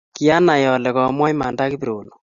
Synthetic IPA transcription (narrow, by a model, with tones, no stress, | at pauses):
ki˨a˦na˨jɔ˨lɛ˨kɔ˨mwa˦i˦ma˨nda˦ki˦bi˨ɾo˨lo˨